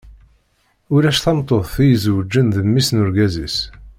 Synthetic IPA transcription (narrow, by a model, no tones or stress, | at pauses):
ʊlæʃθɑmt̪ˤːoðˤθijəzwəd͡ʒːənðəmːisnʊɾɡæzḭs